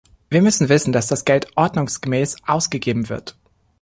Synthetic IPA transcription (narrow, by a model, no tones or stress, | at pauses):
viːɐmʏsn̩vɪsn̩d̥asd̥asɡ̥ɛltʔɔɐdnʊŋsɡ̥əmɛːsʔaʊsɡ̥əɡeːbm̩vɪ̰ɐt